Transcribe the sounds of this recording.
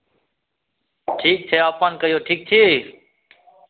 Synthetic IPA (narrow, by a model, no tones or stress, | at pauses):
ʈʰiːk̚t̪ʰeːaːpãːnkəjoːʈʰiːk̚t̪ʰiːiː